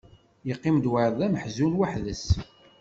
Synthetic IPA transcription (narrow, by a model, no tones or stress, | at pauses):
jəqːɪmd̪wəɾˤðˤæməħzunwaħðəs